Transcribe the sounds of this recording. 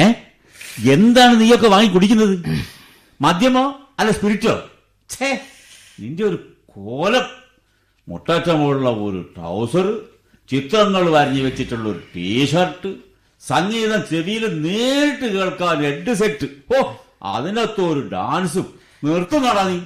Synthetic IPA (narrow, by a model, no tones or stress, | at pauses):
e | e̞nd̪aːɳɨniːjo̞kːeʋaːŋːikuɽikʲːunːɐðɨ | mɐd̪ʱjɐmo | ɐlːɐspiɾitːo̰ː | t͡ɕe | nindeo̞ɾu | kʰooːlɐm | mṵʈːaːtːɐmoɭːɐo̰ɾṵʈɐ̰wsɐrɨ | t͡ɕit̪rɐŋːɐɭʋɐɾɐɲːɨʋet͡ɕːitːuɭːɐoɾuʈiːʂɐrʈːɨ | sɐŋːiːðɐmt͡ɕeʋijilɨneːʈːɨke̞ːɭkaːne̞ɳɖɨs̬eʈːɨo | ɐ̰ðineɐt̪ːoːɾuɖaːnsum | nirt̪ːunɐɽɐnːi